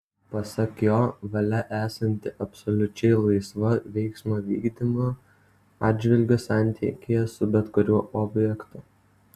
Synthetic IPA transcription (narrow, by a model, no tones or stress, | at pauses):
pɐsɐkjoːʋɐlʲɛʔæːsɐnʲt̪ʲɪʔɐpsɔlʲʊt͡ʃʲɛɪlˠɐɪsʋɐʋʲɛɪksmoːʋʲḭːɡd̪ʲimo | ɑːd̪ʲd͡ʒʲʋʲɪlʲɡʲosɑˑnʲt̪ʲikʲejɛsʊbʲɛt̪kʊɾʲuɔʔɔbʲjɛkt̪ʊ